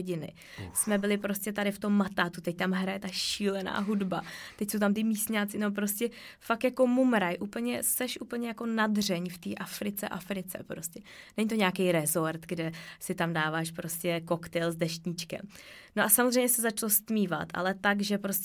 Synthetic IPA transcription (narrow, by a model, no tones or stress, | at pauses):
ɟɪnɪ̰ | smɛbɪlɪpɾoscʲɛt̪adɪft̪o̞mːat̪aːt̪ut̪ɛc̚t̪amɦɾajɛt̪aʃiːlɛna̰ːɦudbat̪ɛcsowt̪amt̪ɪmiːsɲaːt͡sɪnop̬ɾo̞scɛ | fakjako̞mumɾajʔuːpl̩ɲɛsɛʃʔuːpl̩ɲɛjako̞nadr̝ɛɲft̪iːʔafɾɪt͡sɛ̰ʔafɾɪt͡sɛ̰pɾoscɛnɛɲit̪oɲaːkɛjɾɛzo̞ɾt̪ɡdɛsɪt̪amdaːvaːʃpɾo̞scɛko̞kt̪ɛjlzdɛʃcɲit͡ʃkɛ̰m | noʔasamozrɛjɲɛsɛzat͡ʃlost̪miːva̰t̪ʔa̰lɛt̪aɡʒɛpɾos